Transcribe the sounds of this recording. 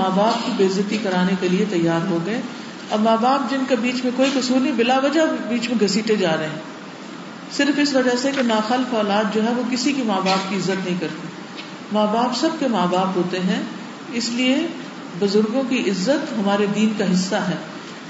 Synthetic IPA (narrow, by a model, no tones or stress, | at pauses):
aːbaːp̚kibeːɪzət̪ikɐɾaːnekeliet̪ɐjːaːɾɦoɡɐe | ɐ̰bmaːbaːp̚d͡ʒɪnkebiːt͡ʃmẽkoːikʊsuːɾnĩbɪlaːʋɐd͡ʒabiːt͡ʃmẽɡʱɐsiːʈed͡ʒaːɾɦeɦɛ̃ː | sɪɾfɪsʋɐd͡ʒasekenaːxaːlɪfɔːlaːt̪̚d͡ʒoːɦɛʋokɪsikimaːbaːp̚kiɪzːət̪nɐɦĩkɐɾt̪i | maːbaːpsɐb̚kemaːbaːpɦoːt̪eɦɛ̃ | ɪslie | bʊzʊɾɡõkiʔɪzːət̪ɦɐmaːɾed̪iːnkaɦɪsːaɦɛː